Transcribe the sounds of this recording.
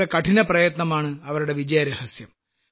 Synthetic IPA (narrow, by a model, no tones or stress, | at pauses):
ekɐʈʰinɐprɐjɐt̪nɐmaːɳɨɐʋɐɾuɽe̞ʋid͡ʑɐjɐɾɐhɐsjɐm